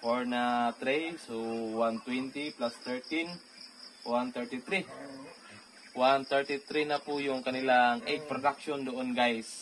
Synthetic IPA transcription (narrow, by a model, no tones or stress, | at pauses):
foɹnat̪ɾisowant̪wɛnt̪iplast̪ɛɹt̪in | want̪ɛɹt̪it̪ɾi | want̪ɛɹt̪it̪ɾinɐpʊjʊŋkɐnɪlaŋʔed͡ʒ̚pɾod̪akʃond̪oʔonɡajs